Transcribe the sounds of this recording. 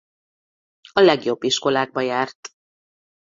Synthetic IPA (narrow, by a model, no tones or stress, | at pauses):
ɒlɛɡjo̞bːiʃko̞laːɡ̚bɒjaːrt̪